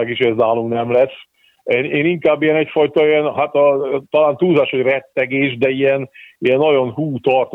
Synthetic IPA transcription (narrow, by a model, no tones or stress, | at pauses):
aɡiʃhoɛznaːlumnɛmlɛsː | eneːniŋkaːbːijɛnɛcfɒjt̪ɒijɛnɦat̪ɒt̪ɒlaːnt̪uːzaːʃhoɟrɛt̪ːɛɡeːʒd̪ɛijɛniɛnːɒɟo̞nɦuːt̪ɒrt̪